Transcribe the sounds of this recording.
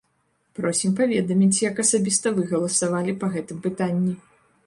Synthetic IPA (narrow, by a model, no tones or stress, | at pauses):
pɾɔsʲimpavʲɛd̪ɐmʲit͡sʲjɐkɐsabʲist̪ɐvɨɣɐlˠɐsavalʲipɐɣɛt̪ɨmpɨt̪anʲːi